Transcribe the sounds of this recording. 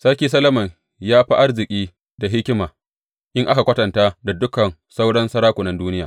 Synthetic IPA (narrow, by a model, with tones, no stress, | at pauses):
sɐ˦kʲiː˦s̬ɐ˦lɐ˦mɐ˨ɲ | jaː˦ɸi˦ʔa˦rzɪ˨kʲʼiː˦ | da˨ɦɪ˦kʲɪ˦maː˨ | ʔɪ˦ŋʔa˦ka˨kʷɐ˦tɐ˨ntaː˦da˨dʊ˦kɐ˨nsa˦wɽɐ˦nsɐ˦ɽaː˦kʷʊ˨nɐ˦nduː˦nɪ˦jaː˨